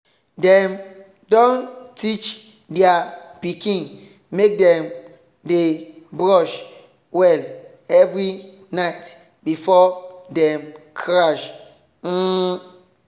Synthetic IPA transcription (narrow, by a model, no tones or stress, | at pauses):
dɛm | dɔ̃ntit͡ʃ | diapikĩn | mek̚dɛ̃m | debɹɔʃ | wɛl | ɛvɾi | naɪt | bifɔdɛ̃mkʰɹaʃ̩